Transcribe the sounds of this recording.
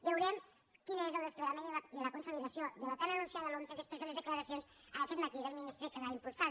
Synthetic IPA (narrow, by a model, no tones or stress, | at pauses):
bewɾɛm | kinezəlˠd̪əskləɾamẽnd̪əld̪ələkunsuliðəsioðəβət̪anənunsijaðəlonseðəspɾezðəlezðəkləɾəsionz | əməkɛt̪mət̪iðəlˠminist̪ɾekəβaimpulˠsa